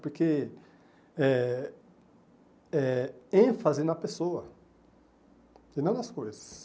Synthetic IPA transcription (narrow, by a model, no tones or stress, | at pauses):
poɾke | ɛ | ɛẽfazɪnɐpesoɐ | inɐ̃d̪ɐskojzɐ̥s